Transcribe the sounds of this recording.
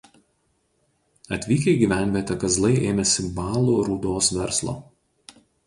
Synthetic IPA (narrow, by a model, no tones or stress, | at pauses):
ɐt̪ʲʋʲiːkʲɛɪɡʲiːʋʲæˑnʲʋʲiɛt̪ʲɛkɐzlˠɐɪʔeːmʲɛsʲɪbɑːlˠuːɾuːd̪oːsʋʲɛɾslˠo̰ː